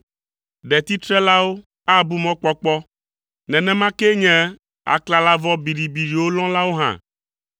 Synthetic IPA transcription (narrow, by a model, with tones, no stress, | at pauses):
ɖɛ˨t̪i˦t̪ɾɛ˦la˦wo˦ | a˦bu˦mɔ̃˦k͡pɔ˦k͡pɔ˦ | nɛ̃˨nɛ̃˦mã˦kɛ˦ɲɛ̃˦ | a̰˨kla˦la˦vɔ˦bi˨ɖi˨bi˨ɖi˨wo˦lɔ̃˦la˦wo˦ɦã̰˨